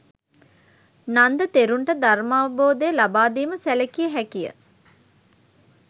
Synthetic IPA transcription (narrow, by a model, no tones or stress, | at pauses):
nand̪ət̪eɾuɳʈəd̪aɾmaːʋəboːd̪əjəlabaːd̪iːməsælekijəɦækijə̰